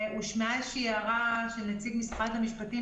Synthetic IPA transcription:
uʃmeaʃiaʁaʃenat͡siɡmisχathamiʃpati

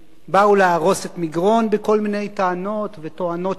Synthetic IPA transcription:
bauleaʁo̞setmiɡʁo̞nbeko̞lmine̞jt̪aano̞t̪vet̪o̞ano̞t

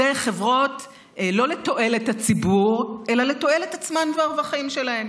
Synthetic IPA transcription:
ejχe̞vʁo̞t̪ | lo̞le̞to̞ʔe̞lethat͡sibuʁʔe̞lale̞to̞e̞letat͡smandvaʁvaχaimʃe̞lae̞m

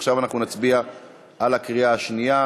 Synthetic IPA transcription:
χʃavanaχnunat͡sbia | ʔalakʁiaaʃnija

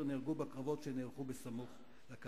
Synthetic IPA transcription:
niʁɡubakʁavo̞tʃenelχubesamuχ | lak

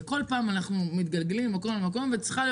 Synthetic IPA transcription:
ko̞lpaːmanaχnumit̪̚ɡalɡelimːako̞mlmako̞mvet͡sχal

